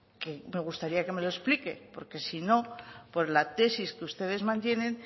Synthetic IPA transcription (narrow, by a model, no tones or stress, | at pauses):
ke̞me̞ɣ̞ust̪aɾiake̞me̞loesplike̞̰po̞̰ɾke̞sino̞po̞ɾlat̪e̞siskeust̪e̞ð̞e̞zmãnt̪je̞nẽ̞n